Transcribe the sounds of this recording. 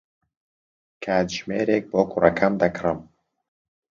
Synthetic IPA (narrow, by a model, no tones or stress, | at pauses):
kʰaːd̪ʒmeːɾeːk̚boːkʰurɐkʰɐmd̪ɐkʰrɨm